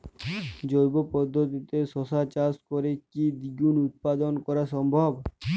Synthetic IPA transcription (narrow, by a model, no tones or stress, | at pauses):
d͡ʑojbopɔd̪ʱːot̪it̪eʃɔsat͡ɕaskoɾekid̪iɡunut̪̚pad̪onkɔɾaʃɔmbʱob